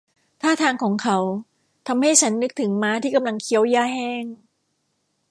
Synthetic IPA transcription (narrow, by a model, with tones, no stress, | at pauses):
t̪ʰaː˥˩t̪ʰaː˧ŋkʰɔː˩˦ŋkʰa˦˥w | t̪ʰa˧mha˥˩jt͡ɕʰa˦˥nːɯ˦˥k̚t̪ʰɯ˩˦ŋmaː˦˥t̪ʰiː˥˩ka˧mla˧ŋkʰi˦˥əwjaː˥˩hɛː˥˩ŋ